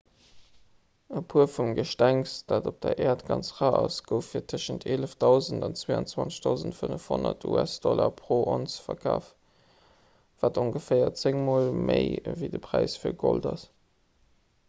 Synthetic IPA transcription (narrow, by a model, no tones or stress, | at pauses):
əpʰuːɐfumɡəʃtæŋsd̥aːdop̚d̥ɐʔɛːɐtɡɑnt͡sʁaːʔɑsɡ̥əʊfːiːɐtʰəʃəntʰeləfdɑʊzəndɑnt͡sweːɑ̰nt͡swɑnt͡sə̥ʃdɑʊzəntfənəfhonɐtʰṵæsd̥ɔlɐpʰʁoːʔonsfɐkʰaːf | v̥aːtoŋɡəfeɪɐt͡seŋmoːlmeɪviɪdəpʰʁ̥æɪsfiːɐɡoldɑs